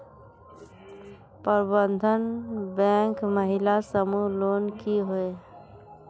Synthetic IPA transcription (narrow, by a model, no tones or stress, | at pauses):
pəɾbənd̪ʱənbɛ̃ːŋkməɦɪlasəmuloːnkiɦoe